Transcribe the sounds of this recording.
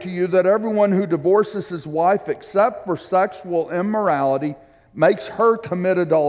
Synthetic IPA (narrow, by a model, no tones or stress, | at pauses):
tʰɨjɨðɨɾɛvɹiwʌ̃nhʉdɨvɔɹsɨz̥ɨzwaɪfɨksɛp̚tfə˞sɛkʃəl̩ˠɪ̃mə˞ælˠəɾi | meɪkshə˞kʰəmɪɾɨdə